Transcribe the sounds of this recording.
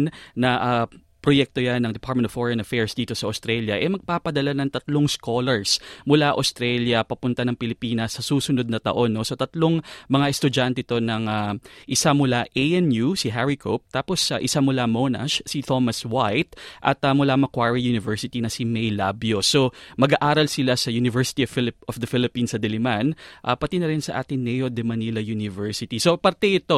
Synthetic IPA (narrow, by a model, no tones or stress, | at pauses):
nnɐʔa | pɾojɛk̚t̪o̞janːɐŋd̪ɛpaɹt̪̚mɛ̃nofoɹɐnɐfɛɹsd̪iːt̪o̞sɐʔost̪ɾɛljɐʔɛmɐɡ̚paːpɐd̪ɐlanɐŋt̪ɐt̪loŋsko̞ːlɛɹsmʊlaʔɐ̰st̪ɾɛljɐpɐpʊnt̪ɐnɐŋpɪlɪpiːnɐsːɐsuːsʊno̞d̪̚nɐt̪ɐ̰ʔo̞nːo̞sot̪ɐt̪lo̞ŋmɐŋaʔɛst̪ʊd͡ʒant̪ɛt̪o̞nɐŋaʔɪsamʊlaʔejʔɛnjusiɦɛɹɪkʰop̚t̪aːpo̞sɐʔɪsamʊlamonɐ̰ʃsit̪o̞mɐswajt̪̚ʔɐ̰t̪ɐmʊlaːmɐkwaɹijunɪvɛɹsɪt̪inɐsimɛjlabjo̞so̞mɐɡaʔaːɾɐlsɪlasɐjunɪvɛɹsɪ̥t̪ifɪlɪpofd̪ɐfɪlɪpinsɐd̪ɛlɪmanʔapɐt̪inɐɾɪnsɐʔa̰ːt̪ɪŋnɛjod̪ɛmɐnilɐjunɪvɛɹsɪt̪iso̞pɐɾt̪ɛʔɪt̪o̞